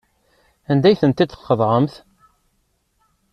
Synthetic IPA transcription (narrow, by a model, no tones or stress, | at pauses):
ænd̪æjθənt̪id̪θqːəðˤʕəmθ